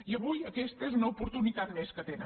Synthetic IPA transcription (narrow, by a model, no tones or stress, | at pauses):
iəβujəkɛst̪əezunəupuɾt̪unit̪at̪̚mɛskət̪enə̰